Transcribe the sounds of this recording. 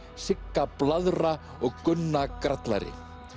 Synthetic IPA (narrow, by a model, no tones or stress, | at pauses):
sɪkːaplaðɾa | ɔɣkʏnːakɾat̪la̰ɾɪ̰